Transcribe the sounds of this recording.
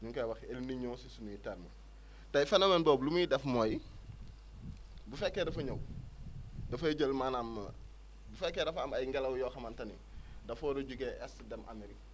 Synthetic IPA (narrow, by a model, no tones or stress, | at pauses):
ɲuŋkawɐxelniɲɔːsisunujitalmɐ | tɐifɐnɐmenbɔːblumujidɛfmoj | bufɛkːedɐfɐɲow | dɐfɐɟəlmaːnɐm | bufɛkːedɐfɐmɐjŋɡalɐwjɔːxɐmantɐnḭ | dɐfoːdoɟuɡeʔɛsdɛmʔɐ̰miɾi